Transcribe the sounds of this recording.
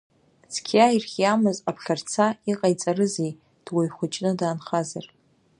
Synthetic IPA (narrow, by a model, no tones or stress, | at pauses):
t͡sʰkʲʰairχʲjamɨzapʰɬʲart͡sʰaiqʼajt͡sʼaɾɨzej | d̥wajχʷʊt͡ʃʼnɨdaːnχazar